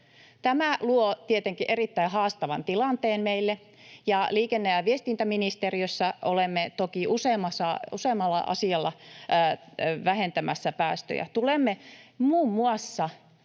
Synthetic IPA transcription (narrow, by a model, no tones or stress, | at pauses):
t̪æmæluot̪iet̪eŋkiʔeɾit̪ːæihɑːst̪ɑʋɑnt̪ilɑnt̪eːnmeilːe | jɑliːkenːæjɑʋiest̪int̪æminist̪eriøsːɑʔolemːet̪okiuseːmːɑsɑuseːmːɑlːɑ̰ʔɑ̰siɑlːɑ | ʋæhent̪æmæsːæpæːst̪ø̰jæ̰t̪ulemːemuːmːuɑsːɑ